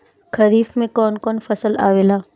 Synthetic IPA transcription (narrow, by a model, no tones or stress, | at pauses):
kʰɐɾiːfmẽkɔːnkɔːnfɐsəla̰ːʋeːlaː